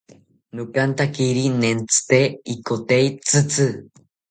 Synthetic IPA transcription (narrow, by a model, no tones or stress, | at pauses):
nokant̪akiɾinent͡sɨ̥t̪eikot̪eit͡sɨt͡sɨ